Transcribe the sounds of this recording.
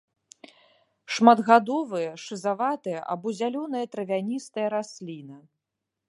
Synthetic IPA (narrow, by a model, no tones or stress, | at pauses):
ʂmad̪ɣad̪ɔvɨjɐʂɨzavat̪ɨjɐ̰ʔa̰bɔzʲalʲɔnɨjɐt̪ɾɐvʲanʲist̪ɐjɐɾasʲlʲinɐ